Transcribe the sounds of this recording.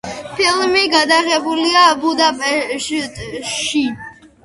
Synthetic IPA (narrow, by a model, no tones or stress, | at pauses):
pʰilmiɡad̪aʁɛbuliabud̪apʼɛʃʃi